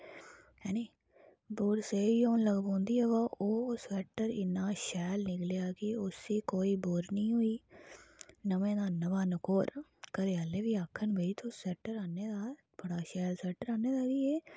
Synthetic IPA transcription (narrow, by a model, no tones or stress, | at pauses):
ɦɛːneː | boːɾseːioːnləɡbõːnd̪iːɛʋaːʔoːsɛːʈəɾɪ̰nãːʃɛːlnɪklejaːkɪʊsiːkoːiːboɾnĩːɦʊiː | nəmẽːd̪aːnəʋaːnəkoːɾkəɾejaːleːʋiːaːkʰənbʱəiːt̪ʰosɛːʈəɾaːneːd̪aː | bəɽaːʃɛːlsɛːʈəɾaːneːd̪aːɾiːɛː